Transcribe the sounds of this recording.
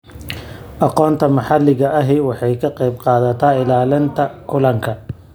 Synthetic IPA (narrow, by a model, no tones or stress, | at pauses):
ʔɑqɔːnt̪ʰɐmɐħɑlːɪɣɐɐɦɛwɑħɑjkʰɐqɑjbqɑːðɐt̪ʰaːɪlaːlɪnt̪ʰɐkʰʊlɐŋkʰɐ